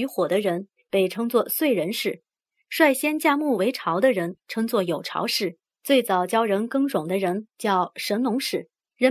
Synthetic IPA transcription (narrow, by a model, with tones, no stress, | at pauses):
y˧˥xwɔ˨˩d̪ə˦ɻə˧˥n | pe˨˩ɪʈ͡ʂʰɤ˥ŋt͡swɔ˥˧swe˥˩ɪɻə˧˥nʂɻ̩˥˩ | ʂwa˥˧ɪɕjɛ˥nt͡ɕja˥˧mu˥˩we˧˥ɪʈ͡ʂʰɑ˧˥ʊd̪ə˧ɻə˧˥nʈ͡ʂʰɤ˥ŋt͡swɔ˥˩jo˨˩ʊʈ͡ʂʰɑ̰˧˥ʊʂɻ̩˥˩ | t͡swe˥˩ɪt͡sɑ˨˩ʊt͡ɕjɑ˥ʊɻə˧˥nkɤ˥ŋɻʊ˨˩ŋd̪ə˦ɻə˧˥nt͡ɕjɑ˥˩ʊʂə˧˥nnʊ˧˥ŋʂɻ̩˥˩ | ɻə˧˥